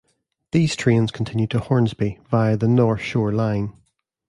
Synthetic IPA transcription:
ðiːz̥tʰɹ̥ẽnz̥kʰə̃ntʰɪ̃njʉd̚tʰəhɔɹnzbivaɪəðənɔɹθʃɔːɹlãɪ̃n

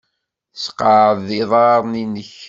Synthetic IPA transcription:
sqɑʕðɪðˤɑɾˤninəç

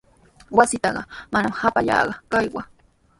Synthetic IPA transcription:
wasɪt̪ɑɢɑmanamhapaʎɑ̰ːɢɑkajwa

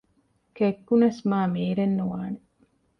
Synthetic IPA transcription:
kekːunɐsmaːmeːɾenːuʋaːne

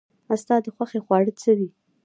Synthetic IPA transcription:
ast̪ɑd̪əxwaxexwɑɽət͡səwi

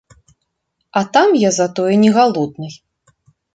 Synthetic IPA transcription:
at̪amjazat̪ɔjɛnʲɛɣalˠɔd̪nɨj

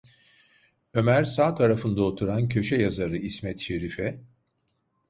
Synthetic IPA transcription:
ø̞mæɾsaːt̪ʰaɾafɯnd̪aot̪ʰuɾancʰø̞ʃɛjazaɾɯismɛt̪ʃe̞ɾifɛ

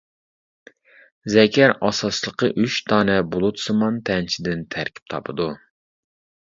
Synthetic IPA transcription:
zɛkʲʰæɾɑsɑslˠəqəʔyt͡ʃt̪ʰɑːnɛbolˠut̪sɨmɑnt̪ʰɛnt͡ʃʰid̪ɪnt̪ʰæɾkʲʰi̥p̚t̪ʰɑ̰pʰɨd̪u

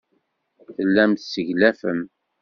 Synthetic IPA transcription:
θəlːæmt̪səʝlæfəm

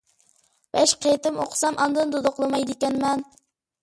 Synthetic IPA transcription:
b̥ɛʃqʰejt̪ɪmoqʰsɑmʔɑnd̪ɨnd̪od̪oqlˠɨmɑjd̪ɪkʲɛnmɛn

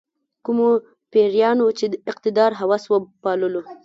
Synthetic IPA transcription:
kumo | peɾjɑnot͡ʃed̪əɪqt̪ɪd̪ɑɾɦawɑswəpɑləlo

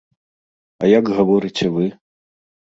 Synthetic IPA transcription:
ɐjaɡɣavɔɾɨt͡sʲɛvɨ

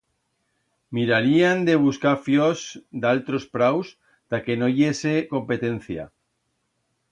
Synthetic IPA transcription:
miɾaɾiand̪e̞β̞uskaɾfjosd̪alt̪ɾo̞spɾaws | t̪ake̞no̞ʝe̞se̞ko̞mpe̞t̪e̞nθja̰

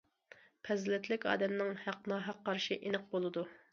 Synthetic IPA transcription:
pʰɛzlɪt̪ʰlɪkʲɑ̰ːd̪ɛmnɪŋhæqnɑːɦæqːɑɾʃiʔenɨq̚bolˠɨd̪u

